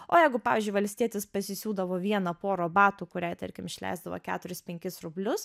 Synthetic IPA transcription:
o̰ːjɛɪɡʊpɑːʋʲiːzʲd͡ʒʊɪʋɐlʲsʲt̪ʲiɛt̪ʲɪspɐsʲɪsʲuːd̪ɐʋoːʋʲiɛnɐpoːɾoːbɑːt̪uːkʊɾʲæjt̪ɐ̰ɾʲkʲɪmɪʃʲlʲɛ̰ɪzd̪ɐʋɐ̰kʲæ̰ːt̪ʊɾʲɪspʲɛŋʲkʲɪsɾʊbʲlʲʊs

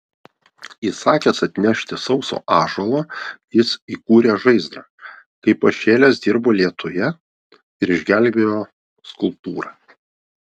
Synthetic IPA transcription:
iːsɑːkʲeːsɐt̪ʲnʲɛʃʲt̪ʲɪsɒʊso̰ːʔɑːʒolˠojɪsiːkuːɾʲeːʒɐɪzd̪ɾɑːkɐɪpɐʃʲeːlʲeːsd̪ʲɪɾboːlʲiɛt̪ʊjɛ | ɪɾɪʒʲɡʲæˑlʲbʲeːjoː | skʊlˠp̚t̪uːɾɑː

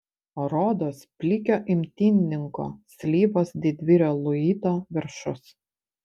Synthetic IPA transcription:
oɾoːd̪oːspʲlʲɪkʲoːʔɪmʲt̪ʲinʲnʲɪŋko̰ːsʲlʲiːboːsd̪ʲɪd̪ʲʋʲɪɾʲoːlˠʊiːt̪oːʋʲɪɾʃʊs

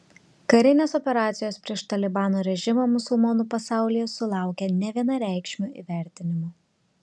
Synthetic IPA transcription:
kɐɾʲɪnʲeːsɔpʲɛɾɑːt̪sʲɪjoːspʲɾʲiɛʃt̪ɐlʲɪbɑːnoɾʲɛʒʲɪmoːmʊsʊlˠmɔnuːpɐsɑˑʊlʲɪjɛsʊlˠɑˑʊkʲɛnʲɛʋʲiɛnɐɾʲæˑɪkʃʲmʲuʔḭːʋʲæˑɾʲt̪ʲɪnʲɪmuː

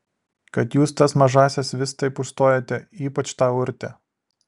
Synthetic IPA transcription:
kɐt̪juːst̪ɐsmɐʒɑːsʲɛsʋʲɪst̪ɐɪpʊʃst̪oːjoːt̪ʲɛiːpɐt͡ʃt̪ɑːʊɾʲt̪ʲɛ

